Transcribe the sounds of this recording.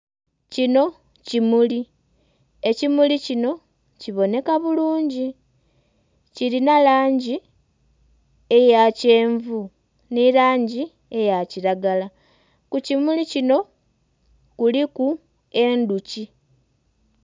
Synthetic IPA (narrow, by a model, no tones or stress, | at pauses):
cino̞ | cimuli | e̞cimulicino̞ | ciβo̞ne̞kaβuluːɲɟi | ciɾinalaːɲɟi | e̞jace̞ːɱvu | nilaːɲɟi | e̞jaciɾaɡala | kucimulicino̞ | kuliku | e̞nduci